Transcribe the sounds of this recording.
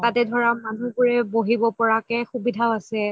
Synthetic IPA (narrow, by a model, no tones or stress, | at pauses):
tatɛdʱɔɹamanuɡuɹɛboɦibɔpɔɹakɛxubidʱaʊasɛ